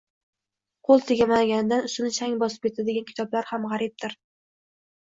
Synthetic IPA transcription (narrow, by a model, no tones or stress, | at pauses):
qʰolˠt̪ʰɪɡʲamaɡʲanɪd̪anʊst̪ɪnɪʃaŋbɒsɪp̚kʰʲe̞t̪ʰad̪ɪɡʲankʲʰɪt̪ʰɒblaɾhamʁɑɾɪp̚d̪ʰɪɾ